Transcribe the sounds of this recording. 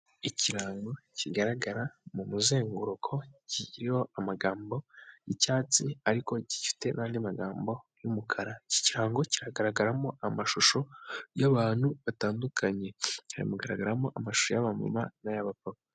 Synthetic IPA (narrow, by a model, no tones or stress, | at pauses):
iciɾaːŋɡo̞ciɡaɾaɡaɾamumuzeːŋɡuɾokʰo̞ciɟiɾiho̞amaɡaːmbo̞jicaːt͡siaɾiko̞ɟifi̥te̞naːndimaɡaːmbo̞jumukʰaɾaci̥ciɾaːŋɡo̞ciɾaɡaɾaɡaɾamo̞ʔamaʃuʃo̞jaβaːn̥huβataːndukʰaɲe̞haɾḭmuɡaɾaɡaɾamo̞ʔamaʃu̥ʃojaβamṵmanajaβapaka